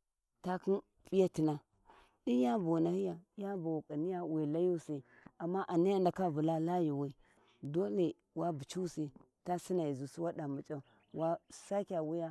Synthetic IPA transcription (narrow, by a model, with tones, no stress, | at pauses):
ta˨ki˦n | pʼi˦ja˦ti˨na˨ | di˦ja˦bo˨na˨hi˦ja˨˦ja˦ba˨u˨kʼa˨ni˦ja˦wi˨la˦ju˦si˨ | a˨mːa˦ʔa˨ni˦ja˦nda˨ka˦vu˨la˦la˦ji˨wi˦ | do˦le˨ | wa˦bu˨t͡ʃu˦si˨ | ta˦si˦na˨i˨zu˨si˦wa˦da˨mu˨t͡ʃʼa˦˨ | wa˦sa˦kʲa˨wu˦ja˦